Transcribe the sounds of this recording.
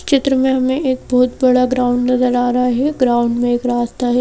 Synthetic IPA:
t͡ʃɪt̪ɾəmẽɦɐmẽeːk̚bɔɦʊt̪bɐɽaɡɾaːʊ̃ɳɖnɐzəɾaːɾɐɦaɦɛɡɾaːʊ̃ɳɖmẽeːkɾaːst̪aɦɛ

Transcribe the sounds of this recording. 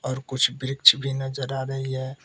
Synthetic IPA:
ɔːɾkʊt͡ʃʰbɾɪk̚t͡ʃʰbʱinəd͡ʒəɾaɾəɦiɦɛː

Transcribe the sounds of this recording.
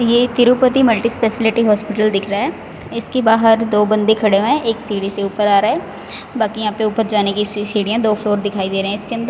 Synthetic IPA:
jeːt̪ɪɾupət̪iməlʈispeːsɪlɪʈiɦɔːspɪʈəld̪ɪkʰɾaɦɛː | ɪskebaːɦəɾd̪oːbə̃nd̪ekʰɐɽemẽeːksiːɽiseuːpəɾaːɾaɦɛː | baːkijɐɦãːpeʊpəɾd͡ʒaːnekisiːɽijãd̪oːfloːɾd̪ɪkʰaːid̪eːɾeɦɛ̃ɪskeə̃nd̪əɾ

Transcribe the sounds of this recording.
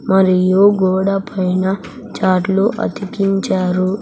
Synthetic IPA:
mɐɾijuɡɔːɽɐpʰɐjnɐ | t͡ʃaːʈluʔɐ̰t̪ikiɲt͡ʃaːɾu

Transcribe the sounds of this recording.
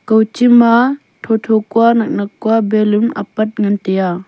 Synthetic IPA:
kɐwt͡ʃima | tʰotʰokuanɐk̚nɐkːuabelumɐ̰pɐt̚ŋɐnteja

